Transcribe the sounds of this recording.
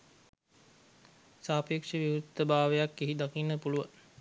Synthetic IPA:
saːpekʂəʋiut̪ːəbaːʋejakːiɦid̪akinːəpuluʋə

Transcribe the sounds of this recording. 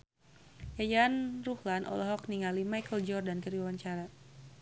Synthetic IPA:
jajanruhlanʔɔ̰lɔɦɔkniŋalimajkəld͡ʒɔrdankəɾiwawaɲt͡ʃaɾa

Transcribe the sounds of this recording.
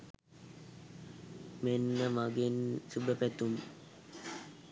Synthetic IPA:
menːəmaɡinsubəpɛt̪um

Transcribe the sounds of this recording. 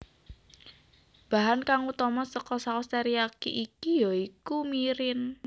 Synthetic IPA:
b̥aɦankaŋut̪ɔmɔsəkɔsakɔst̪ɛɾiakiʔikijɔikumiɾɪn

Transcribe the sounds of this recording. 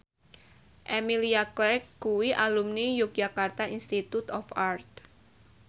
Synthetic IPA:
ʔemiliaklɛkkuwiʔalumnijʊk̚d͡ʒakart̪ainst̪it̪ut̪ɔfart̪̚

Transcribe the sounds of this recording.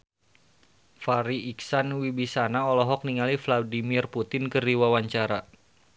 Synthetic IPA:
faɾiːksanwibisanaɔlɔɦɔk̚niŋalifladimirput̪ɪnkəriwawaɲt͡ʃaɾa

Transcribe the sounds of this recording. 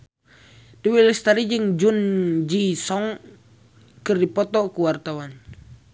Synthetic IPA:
diwiləst̪aɾid͡ʒɨŋd͡ʒund͡ʒisɔŋ | kɨrdipɔt̪ɔkuwart̪awan

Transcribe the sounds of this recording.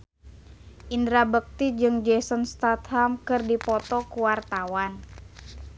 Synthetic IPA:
ʔindɾabək̚t̪id͡ʒɨŋd͡ʒɛsɔnst̪at̪hamkɨrdipɔt̪ɔkuwart̪awan

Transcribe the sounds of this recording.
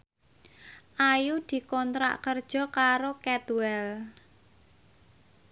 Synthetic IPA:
ʔajud̪̥i̤kɔnt̪ɾa̰ʔkərd̥ʒ̥ɔ̤kaɾokɛt̪wɛl

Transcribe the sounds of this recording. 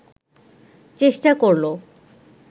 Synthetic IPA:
t͡ɕeʃʈakoɾlo

